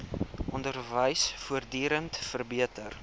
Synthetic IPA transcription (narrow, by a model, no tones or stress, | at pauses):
ʔɔndərvəjsfuərdiːɾəntfərbiətər